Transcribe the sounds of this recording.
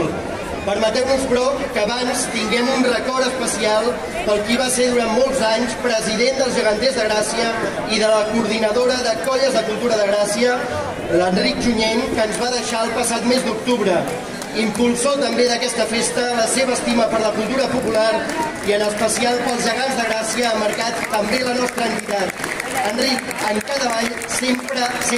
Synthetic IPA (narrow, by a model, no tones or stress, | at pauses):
l | pəɾmət̪ɛwnuspɾɔkəːβanst̪iŋɡɛmunrəkɔɾəspəsialˠ | pəlˠkiβ̞aseðuɾammolˠzaɲspɾəziðend̪əlˠzʒəɣənt̪ezðəɣɾasiə | iðələkuɾðinəðoɾəðəkɔʎəzðəkulˠt̪uɾəðəɣɾasiə | ləndrik̚ʒuɲeŋkənzβaðəʃaəlˠpəsat̪mezd̪uk̚t̪uβɾə | impulˠsot̪əmbeðəkɛst̪əfest̪ələseβəːst̪iməpəɾləkulˠt̪uɾəpupulaɾiənəspəsialˠpəlˠzʒəɣ̞anzðəɣɾasiəaməɾkat̪ːəmbelənɔst̪ɾəːnt̪it̪at̪ənrikəŋkaðəβaʎ | sempɾəs